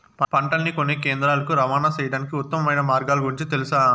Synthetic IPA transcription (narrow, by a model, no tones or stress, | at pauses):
pɐpɐɳʈɐnːikonːeːkeːnd̪ɾaːlɐkuɾɐʋaːnaːt͡ʃɐjɐɽaːnikiut̪ːɐmɐmɐjnɐmaːɾɡaːluɡuɾiɲt͡ʃit̪elusaː